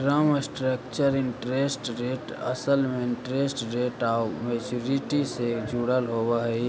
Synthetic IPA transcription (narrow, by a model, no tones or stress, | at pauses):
ɾəmsʈɾək̚t͡ʃəɾɪɳʈɾeːsʈɾeːʈə̰səlmẽɪɳʈɾeːsʈɾeːʈamet͡ʃuɾiʈised͡ʒuːɽəlɦoːwaɦi